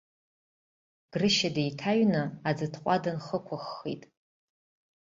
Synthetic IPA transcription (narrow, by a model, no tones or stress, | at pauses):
ɡ̥rɨʃadejtʰaɥnɨad͡zɨtʰqʷʼadɨnχəkʷʰaχːḭtʼ